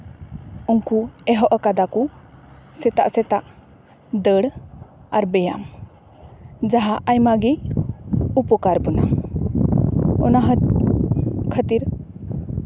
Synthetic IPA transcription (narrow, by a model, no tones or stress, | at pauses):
uŋkuɛɦɔʔɔkad̪aku | sɛt̪a̰ʔsɛt̪aʔ | d̪əɽ | aɾbɛja̰m | d͡ʒaɦaʔajmaɡi | upɔkaɾbɔna̰ | ɔnaɦə | kʰət̪iɾ